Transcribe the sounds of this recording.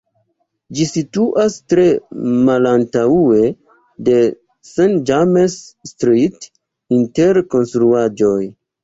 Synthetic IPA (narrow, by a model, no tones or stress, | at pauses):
d͡ʒisituʔastɾe̞malantaue̞ | de̞ | send͡ʒamesːtɾit | inte̞ɾko̞nstɾuad͡ʒo̞j